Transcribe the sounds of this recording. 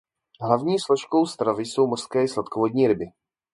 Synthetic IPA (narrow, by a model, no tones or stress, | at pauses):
ɦlavɲiːsloʃko̞wst̪ɾavɪso̞wmor̥skɛːslat̪kovodɲiːɾɪbɪ